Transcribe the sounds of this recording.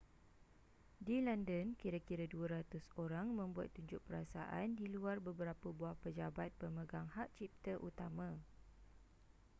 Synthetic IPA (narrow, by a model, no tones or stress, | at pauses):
dilandənkiɾakiɾaduəɾat̪ʊsoɾaŋmə̃mbuat̪ːuɲd͡ʒʊʔ̚pəɾasaʔa̰ndiluarbəbəɾapəbuahpəd͡ʒabat̪̚pəməɡaŋhaʔt͡ʃip̚t̪əʔut̪amã